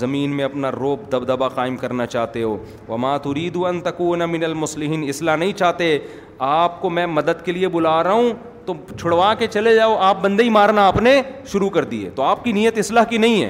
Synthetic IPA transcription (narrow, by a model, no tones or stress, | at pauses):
zɐmiːnmẽɐpnaɾoːb̚d̪ɐbd̪ɐbaqaːɪmkɐɾnat͡ʃaːɦt̪eɦoː | ʋɐmaːt̪ʊɾiːd̪uɐ̃nt̪ɐkuːnmɪnɐlmʊslɪɦiːnɪslanɐɦĩt͡ʃaːɦt̪e | aːp̚komɛ̃ːmɐd̪əd̪keliebʊlaːɾɐɦũ | t̪ot͡ʃʰʊɽʋaːket͡ʃɐled͡ʒaːoʔaːp̚bɐ̃nd̪eimaːɾnaːpneʃʊɾukɐɾd̪iḛːt̪oaːp̚kinijət̪ɪslaːɦkinɐɦĩɦɛ̰ː